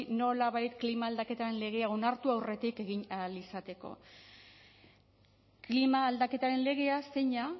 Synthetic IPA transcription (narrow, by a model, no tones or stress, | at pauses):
no̞laβajt̪klimaːld̪ake̞t̪aɾe̞nle̞ɣ̞e̞ao̞naɾt̪uawre̞t̪ike̞ɣinalisat̪e̞ko̞̰ | klimaːld̪ake̞t̪aɾe̞nle̞ɣ̞e̞aseɲa